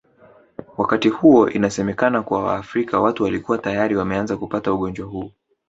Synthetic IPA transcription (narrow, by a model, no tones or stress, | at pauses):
wakatihuɔʔinasɛmɛkanakuwawa̰ːfɾikawatuwalikuwatajaɾiwamɛanzakupatauɠɔnd͡ʒwahuː